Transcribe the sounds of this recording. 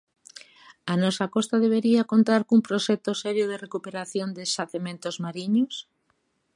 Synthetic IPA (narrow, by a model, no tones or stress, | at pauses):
anɔsakɔst̪aðeβ̞eɾiakont̪aɾkumpɾoʃɛk̚t̪osɛɾjoð̞erekupeɾaθjond̪esaθemẽnt̪ozmaɾiɲos